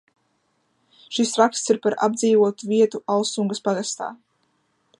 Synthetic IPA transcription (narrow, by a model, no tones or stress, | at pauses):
ʃisɾakst̪siɾpaɾa̰bd̪ziːvuɔt̪uviɛt̪uʔalˠsuŋɡəspaɡast̪a̰ː